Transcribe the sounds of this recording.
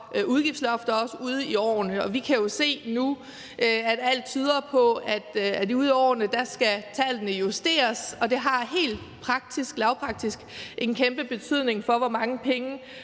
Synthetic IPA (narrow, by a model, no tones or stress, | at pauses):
ʔuð̞ˠɡ̥ifdslɒ̽fd̥ɐɒ̽səuð̞ˠiɒ̰ːnəɒ̽ʋikʰæjo̝se̝̰ːnu | ʔæd̥æl̰d̥̚t͡sʰyːð̞ˠɐpʰɒ̽æd̥æd̥uð̞ˠiɒ̰ːnəd̥æsɡ̥æt͡sʰæl̰nəjusd̥e̝̰ːɐsɒ̽d̥e̝ɦɑ̈ɦe̝̰ːld̥ | pʰʁɑ̈ɡ̥̚d̥isɡ̥lɑ̈ʊpʰʁɑ̈ɡ̥̚d̥isɡ̥ʔe̝nkʰemb̥əb̥e̝t͡sʰyð̞̰ˠne̝ŋfɒ̽ʋɒmɑ̈ŋəpʰeŋə